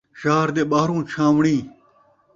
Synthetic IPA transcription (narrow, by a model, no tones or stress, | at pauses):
ʃaːɾd̪eːɓaːɾũːt͡ɕʰãːʋɳĩː